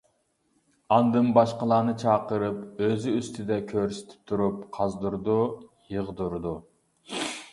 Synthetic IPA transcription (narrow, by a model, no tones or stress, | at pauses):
ɑnd̪ɨmbɑʃqəlˠɑːnɨt͡ʃʰɑːqəɾɨpøzyyst̪ʰɪd̪ɛkʲʰøɾsɪ̥t̪ʰɪ̥p̚t̪ʰuɾup̚qʰɑzd̪uɾd̪ujəʁd̪uɾd̪u